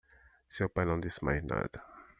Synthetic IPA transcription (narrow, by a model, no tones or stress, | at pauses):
sewpajnɐ̃w̃d̪ismajna̰d̪ɐ